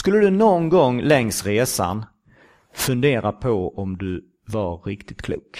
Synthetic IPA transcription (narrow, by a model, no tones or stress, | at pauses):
skɵlːəd̪ɵnɔnɡɔŋːlɛŋsɾeːsa̰n | fɵnd̪eːɾapʰɔɔmd̪ɵ | vaɾɾɪkt̪ɪt̪kʰlṵːk